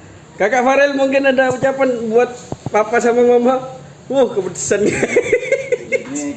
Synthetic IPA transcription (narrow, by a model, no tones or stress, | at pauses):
kakafaɾɪlmuŋkɪnadaut͡ʃapanbuat̪̚papasamamama | wʊhkəpət̪u̥sanɲa